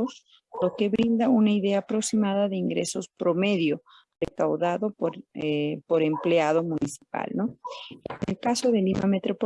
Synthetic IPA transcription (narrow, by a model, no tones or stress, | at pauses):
os | loke̞βɾind̪aunaiðe̞aːpɾo̞ksimaðaðeiŋɡɾeso̞spɾo̞me̞ðjo | rekawðaðopoɾpo̞ɾe̞mpleaðomunisi̥pa̰lnoenelkasoðe̞lima̰met̪ɾop